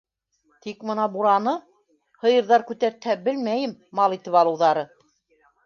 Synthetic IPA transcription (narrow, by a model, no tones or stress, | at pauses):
t̪ikmɤ̆nɑbuɾɑnɤ | hɤ̆jɤ̆ɾðɑɾkʉt̪æɾt̪hæbɘ̆lmæjɘmːɑlˠit̪ɘpɑlˠɤ̆wðɑɾɤ